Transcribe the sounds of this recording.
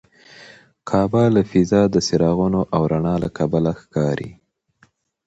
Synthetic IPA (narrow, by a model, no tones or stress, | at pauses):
kʰɑbaləfizɑd̪əsɪɾɑɣunoʔawɾaɳɑla̰kʰabalaxkɑɾʔḭ